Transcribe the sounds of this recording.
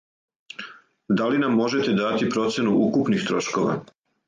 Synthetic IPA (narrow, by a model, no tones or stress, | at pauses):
d̪alinamːo̞ʒe̞t̪e̞d̪at̪ipɾo̞t̪sjenuʔukupnixt̪ɾo̞ʃko̞ʋa̰